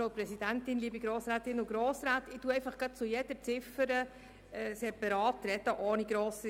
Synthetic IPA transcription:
oʊpɾɛsid̥̪æntɪnliːbiɡɾoːsɾaːt̪ɪnʊɡ̥ɾoːsɾaːt̪ɪtuəɛɪfɑχɡ̥ɑt̚t͡sʊjɛd̥əɾt͡sɪfəɾə | ɛsɛːɾpɑɾɑːt̪ɾɛd̥̪əʔoːniɡɾoːsi

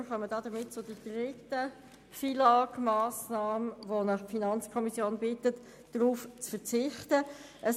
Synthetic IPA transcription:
χœmədɑːd̥əmɪt̚t͡sʊd̥id̥ʁɪtə | filɑːkmɑːsnɑːməvonəχpfinɑnt͡skʰɔmisjoːnbɪtət | d̥ʁuːft͡sfəʁt͡sɪχtə | ʔəs

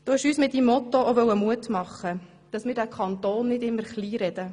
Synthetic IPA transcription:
d̥oɪʃyːsmɪt̚ːimːɔt̪ooʋœwəmuətmɑχːə | d̪̥ɑsmɪːɾdækʰɑnt̪oːnːɪdɪmːəɾχliːɾɛd̥̪ə

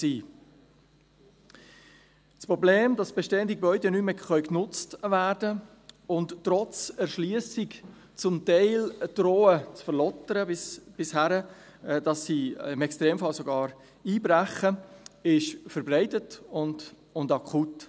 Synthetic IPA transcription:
siː | t͡spɾɔbleːmd̥ɑsb̥ɛʃteːəndiɡ̥ebœʏdɛnyməχœʏknʊt͡stvæːɾdə | ʊnttːɾɔt͡sɛɾʃliəsɪk | t͡sʊmtɛɪləd̥ɾoːət͡sfəɾlɔtəɾəɪsb̥ɪshæɾə | d̥ɑsːiɪmɛkstɾeːmfɑlsoɡɑːɾ | iːbɾæχəɪʃfəɾbrɛɪtətʊnd | ʊndɑkʰχut

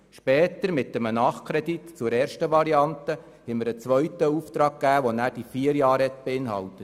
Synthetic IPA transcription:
ʃpɛːt̪əɾmɪtːəmənɑːχkʰɾɛditt͡sʊɾɛːɾʃtəʋɑɾiɑntə | hɛməɾət͡sʋœɥtəuːft̪ɾɑːɡ̚kːæːʋonæːɾd̥ifiːəɾjɑːɾɛtb̥eɪnɦɑ̰ltət

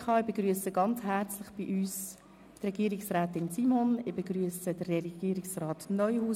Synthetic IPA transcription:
χɑːɪbeɡryəsəɡɑnt͡shæɾt͡slɪχb̥iʔyːs | trɛɡiːəɾɪksræːtɪnsimonɪbeɡryəsəd̥əɛɡ̥iːɾɪksrɑːtnœʏhuː

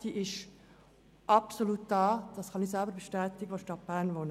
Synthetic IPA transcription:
d̥iːʔɪʃ | ʔɑpsoluːt̚d̥ɑːd̥ɑsχɑnisælbəɾbeʃtɛːtɪɡəʋoʃtɑt̚b̥æːʁnʋonə

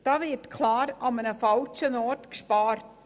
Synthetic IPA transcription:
d̥ɑːʋɪtkʰlɑːɾɑmənəfɑlt͡ʃənɔtkʃpɑːɾt

